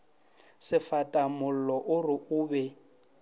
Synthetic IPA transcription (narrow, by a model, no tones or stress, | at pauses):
sɪfatʼamʊl̩lɔʔʊrɪʔuːbɛ